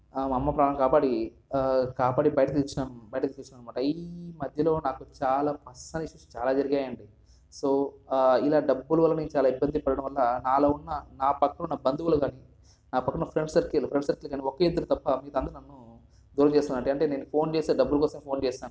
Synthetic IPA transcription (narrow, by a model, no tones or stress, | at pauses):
mɐmːɐpɾaːnɐmkaːpaːɽi | kaːpaːɽibɐjɐʈɐt̪ilt͡ʃunaːnbɐjɐʈɐt̪ilt͡ʃunaːnɐmaːʈɐimɐd̪ʱjɐlo̞ːnaːkut͡ʃaːlaːpɐsɐniʃust͡ʃaːlaːd͡ʒɐɾiɡaːjɐɳɖi | so̞ːilaːɖɐbːuluʋɐlːɐnent͡ʃaːlaːibːɐnd̪ʱipɐɽɐɽɐ̃m̃ʋɐlːɐnaːloːunːɐnaːpɐkːɐunːɐbɐnd̪uʋɐluɡaːni | naːpɐkːɐupɾeɳɖsɐɾkelupɾeɳɖsɐɾkilkaːniɔkeːid̪ːɐɾut̪ɐpːɐmiːt̪ɐnd̪ɐɾnɐnːu | d̪uːɾɐt͡ʃeːst̪unːaːɽeɐɳʈe̞ːne̞ːnːupʰo̞ːnt͡ʃe̞ːst̪eːɖɐbːulɐkɔːsɐmeːpʰo̞ːnt͡ʃeːsaːnu